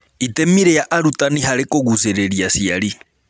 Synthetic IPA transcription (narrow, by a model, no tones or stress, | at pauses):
itɛmiɾɛjaʔaɾutaniɦaɾɛkɔɣusɛɾɛɾjasiali